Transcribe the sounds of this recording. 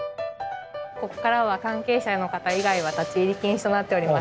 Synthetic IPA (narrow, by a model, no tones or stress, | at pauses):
ko̞ko̥kaɾaβakãŋke̞ːɕano̞kat̪aiɡaiβ̞at̪at͡ɕiiɾʲikʲĩɰ̃ɕi̥t̪o̞nat̪ːe̞o̞ɾʲimas